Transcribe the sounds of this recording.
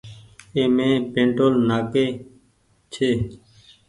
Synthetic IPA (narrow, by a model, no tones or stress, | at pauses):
eːmẽːpẽːɳʈoːlnaːkeː | t͡ʃʰeː